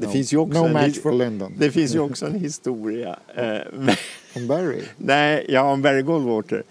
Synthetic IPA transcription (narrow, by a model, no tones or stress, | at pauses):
d̪ɛfɪnsjəɔknsnoʊmæfɔlɛ̃nd̪ə̃nd̪ɛfɪnsjəɔksɔɛnhɪst̪uːɾɪa̰mɛɔ̃mbɛɹɪ̰nɛɪjɑːɔmbæɾɪɡɔld̪vwoːʈ̪ə̰ɾ